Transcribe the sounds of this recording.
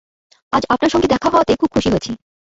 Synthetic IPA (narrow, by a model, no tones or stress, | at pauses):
ad͡ʑapnaɾʃɔŋɡed̪ɛkʰaɦaat̪ekʰub̚kʰuʃiɦot͡ɕʰi